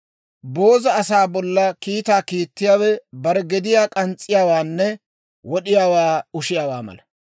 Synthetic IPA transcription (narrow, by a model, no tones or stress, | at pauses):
bo̞ːzɐːsaːbɔlːɐkiːt̪aːkiːt̪ːɪjaːwɛbɐɾɛɡɛd̪ɪjaːkʼɐnt͡sʼːɪjaːwaːnːɛ | wɔɗɪjaːwaːʊʃɪjaːwaːmɐ̰lɐ